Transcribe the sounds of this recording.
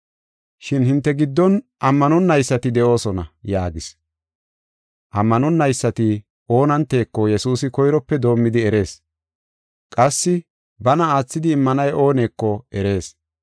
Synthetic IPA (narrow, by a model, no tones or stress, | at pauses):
ʃɪnhɪnt̪ːɛɡɪd̪ːɔnʔɐmːɐnʊnːɐjsːɐt̪ɪd̪ɛʔo̞ːsɔnɐjaːɡɪs | ʔɐmːɐnʊnːɐjsːɐt̪ɪ | ʔo̞ːnɐnt̪ːe̞ːkːɔjɛsuːsɪkɔjɾɔpːɛd̪o̞ːmːɪd̪ɪɛɾe̞ːs | kʼɐsːɪ | bɐnɐaːt͡sːɪd̪ɪːmːɐnɐjʔo̞ːne̞ːkːɔɛɾe̞ːs